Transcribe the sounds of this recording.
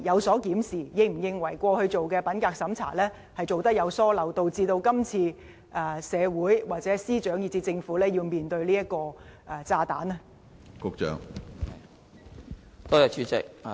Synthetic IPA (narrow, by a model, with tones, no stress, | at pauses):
jɐ˨˧wsɔː˨˥kiː˨˥msiː˨˩jɪ˧ŋ̚m̩˨˩jɪ˧ŋwɐ˨˩jkʷɔː˧hɵ˧ɥt͡so˨wkɛː˧pɐ˨˥nkaː˧k̚sɐ˨˥mt͡sʰa̰ː˨˩lɛː˥ | hɐ˨jt͡so˨wt̪ɐ˥k̚jɐ˨˧wsɔː˥lɐ˨wt̪o˧wt͡siː˧t̪o˧wkɐ˥mt͡sʰiː˧ | ʔɐː˨sɛː˨˧wuː˨˥jwaː˨k̚t͡sɛː˨˥siː˥t͡ʃœː˨˥ŋjiː˨˧t͡siː˧t͡sɪ˧ŋfuː˨˥lɛː˥ji˧wmiː˨nt̪ɵ˧ɥliː˥jɐ˥t̚kːɔː˧ʔɛ˧t͡saː˧t̪aː˨˥nɐ˧ | kʊ˧k̚t͡ʃœ̰ː˨˥ŋ | t̪ɔː˥jɐ˨˩t͡ʃʰyː˨˧t͡sɪ̰˨k̚